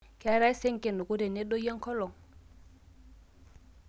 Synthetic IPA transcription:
ka˨˦ɾa˦i˦se˦ŋke˨nu˨ku˦ɾe˨ne˦do˦ja˦ŋ˦kɔ˦lɔ˨ŋ

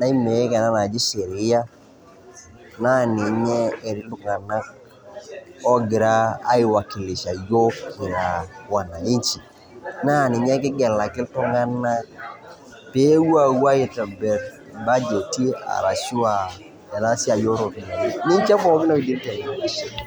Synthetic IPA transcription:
na˦i˦mɛ˨ɛ˦kɛ˨na˦na˨d͡ʒi˦ʃe˨ɾi˨˦ja˦ | na˦˨ni˨ɲɛː˦˨ɾi˦lu˦˨ŋa˨na˦k̚ | ɔ˦ɡɪ˨ɾa̰ː˦ɪ˨wa˨ki˨lɪ˨ʃa˨jo˦ki˨ɾa˨wa˨na˨i˦ɲt͡ʃi˨ | na˦˨ni˨ɲɛ˦k̬ɪ˦ɡɛ˨la˨kɪ˦ltɔ˦ŋa˦na˦k | pe˦wu˦a˨wwa˦ji˨ta˨mbɛ˨ɾ | ba˦d͡ʒo˨ti˦a̰˨ɾa˨ʃu˦a˨ | ɛ˨na˦si˦a˨jo˦ɾo˨ti˨˦ni˦ɲt͡ʃi˦a˦bɔ˦˨˦kɪ˦nɔ˦i˨di˦ɾtɛ˨˦˨

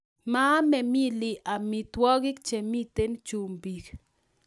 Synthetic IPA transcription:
ma˦mɛ˨mi˦li˨ʔa˨mi˨t̪wɔ˦ɡɪ˦k̚t͡ʃe˨mi˦t̪e˦nt͡ʃu˨mbi˨k

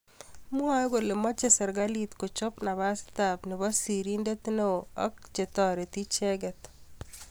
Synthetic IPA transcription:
mu˦a˦ɡo˨le˨mɔ˦t͡ʃe˦sɛ˨ɾɡa˦lit̪ko˨t͡ʃɔ˦pna˨βa˦st̪a˨pnɪ˨βa˦si˨ɾi˦nde˦t̪no˦ɔ˦k̚t͡ʃe˨t̪ɔɾe˨t̪i˦t͡ʃe˦ɡɛ˨t̪

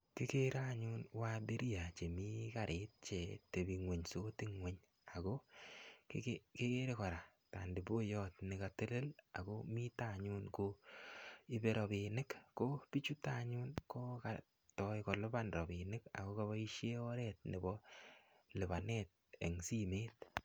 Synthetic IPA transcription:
kɪ˦ke˦ɾa˦ɲu˦nwa˦be˦ɾi˦ja˨t͡ʃe˨mi˦ka˨ɾʔe˦t̚t͡ʃe˨te˨bi˨ŋwe˨ɲso˦tɪ˦ŋwe˨ɲ | a˨ɡo˦kke˦ke˦ɾe˦kɔ˨ɾa˨ | ta˨ndi˨bo˦jɔ˦tnɪ˨ka˨te˦le˦la̰˨ko˦mi˦ta˦ɲu˦nko˦ | i˦be˨ɾɔ˨be˨nɪ˦kːo˦pi˦t͡ʃu˦ta˦˨ɲu˦nko˦ka | tɔ˦jkɔ˨lʊ˦ba˦nɾɔ˨bɪ˨nɪ˦ka̰˨ko˦ka˦bɔ˦i˦ʃje˦ɔ˦ɾɛ˦t̚nɪ˨bɔ˦ | lɪ˨ba˨ne˦t̚e˨ŋsi˦meː˦t̚

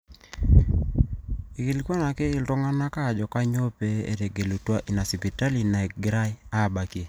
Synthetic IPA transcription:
i˨ki˨lkwa˦na˨kɪ˦ɪ˦ltɔ˦ŋa˦na˦ka˦˨d͡ʒɔ˨ka˦ɲo˦pe˦ḛ˦ɾe˨ɡe˨lo˨twa˦ʔi˨na˨si˨pi˨ta˦li˨na˨ɛ˨ɡɾa˦ja˦˨ba˨ki˦e˨

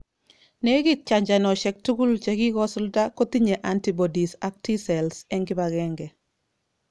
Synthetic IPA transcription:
nɛ˦ɡi˦k̚t͡ʃaɲd͡ʒa˨nɔ˨ʃɛ˨k̚tu˦ɡu˦lt͡ʃɛki˦kɔ˦sʊlda˦ko˦ti˦ɲe˨ʔantibɔdisa˦k̚tisɛlsɛŋɡɪ˦baɡɛŋɡɛ˨

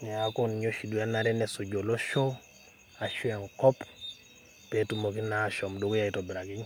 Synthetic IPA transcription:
nɛ˨a˦ko˦n˨ɲo˦ʃi˨du˨a˦na˨ɾɛ˦nɛ˨sʊ˨d͡ʒo˨lo˦ʃo˦ | a˨ʃwa˨ŋkɔ˦p | pɛ˨tu˨mo˨k̬i˦na˨ʃɔ˨mdo˨ko˦ja˨i˨tɔ˨bɾa˨kɪ˦ɲ

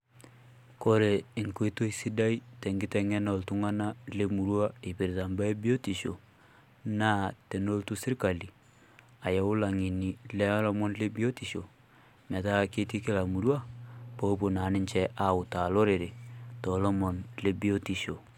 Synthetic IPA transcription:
ko˦ɾe˨ɪ˨ŋko˦i˦to˦i˦si˦da˦i˦tɛ˨ŋɡɪ˦tɛ˨ŋɛ˦nɔ˨ltʊ˦ŋa˦na˦le˦mu˨ɾwa˦e˨pi˨ɾta˨mba˦e˦bi˦o˦ti˨ʃo˨ | naː˦te˨no˦ltu˦sɪ˦ɾka˨li˨ | a˨jɛ˨ʊ˦la˨ŋi˨ni˨lɛ˦lɔ˦mɔ˦nle˦bi˦o˦ti˨ʃo˨ | mɛ˨ta˦ke˦ti˦kɪ˦la˨mu˨ɾwa˦po˦po˨na˨˦nɪ˦nt͡ʃɛ˦ʔa˦˨ʊ˨ta˨lo˦ɾe˨ɾe˨tɔ˨lɔ˦mɔ˨nle˦bi˦o˦ti˨ʃo˨

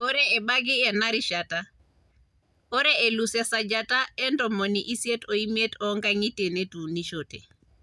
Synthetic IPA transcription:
o˦ɾɛ˦ɛ˨ba˦ɡɪ˦ɛ˨na˦ɾi˨ʃata˦ | o˦ɾɛ˦e˨lu˨sɛ˨sa˨d͡ʒa˦ta˦ɛ˦ndɔ˨mɔ˨niʔi˦sje˦tɔ˨i˦me˦tɔŋɡaŋi˦te˨ne˦tu˨ni˦ʃote˨

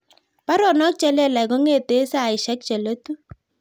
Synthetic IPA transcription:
pa˦ɾɔ˨nɔ˦k̚t͡ʃɛ˦lɛ˦˨la˨ɡɔ˦ŋe˦˨te˦sa˦˨ɪ˨ʃɛ˦k̚t͡ʃɛ˨lo˦tu˦

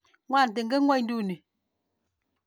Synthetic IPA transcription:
ŋwa˦˨n̩˨t̬e˨ŋ̩˦ɡe˦ŋwɔ˦n̩˦du˦˨ni˨

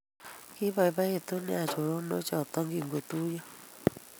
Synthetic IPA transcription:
ki˦βɔ˨i˨˦βa˦e˨t̪o˦nɛ˦a˨t͡ʃo˨ɾo˦no˨˦t͡ʃɔ˨t̪ɔ˦ŋɡi˨ŋɡe˨t̪u˦jɔ˦

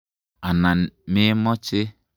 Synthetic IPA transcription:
a˨na˨mɪ˦mɔ˦t͡ʃɪ˦

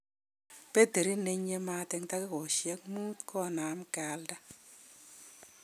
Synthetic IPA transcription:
pe˦de˨ɾi˦ne˦ɲe˦ma˦tɛ˦ŋta˦kɪ˦kɔ˨ʃjɛ˦k̚mu˦tkʰɔ˦na˨˦mka˨lda˦

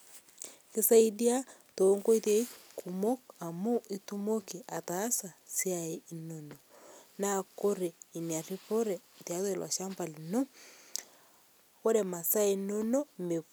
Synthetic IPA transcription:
ke˦sa˦i˦di˦a˦toːŋɡo˦i˦te˦i˦kʰumo˦ka˨mo˦i˦tu˦mo˦ki˨ʔa˨taː˦sa˨siae˦inononako˦ɾe˨i˨nia˨ri˦po˦ɾɛ˨tja˨˦ðwe˨lwa̰˨ʃa˦mpa˨li˨no˦ | o˦ɾɛ˨ma˨sa˦e˨no˦no˦me˨

